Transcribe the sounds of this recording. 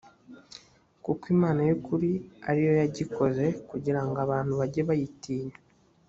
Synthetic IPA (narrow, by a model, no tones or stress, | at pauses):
kukwimaːnajukuɾia̰ɾijo̞jaɟiko̞ze̞kuɟiɾaŋɡaβaːn̥huβaɟeβajitiːɲa